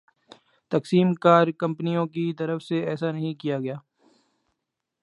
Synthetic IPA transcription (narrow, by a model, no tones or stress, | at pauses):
t̪ɐksiːmkaːɾkɐ̃mpnijõkit̪ɐɾəfseɛːsanɐɦĩkijaɡɐjaː